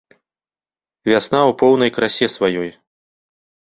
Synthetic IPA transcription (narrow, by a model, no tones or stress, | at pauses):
vʲasnawpɔwnɐjkɾasʲɛsvajɔj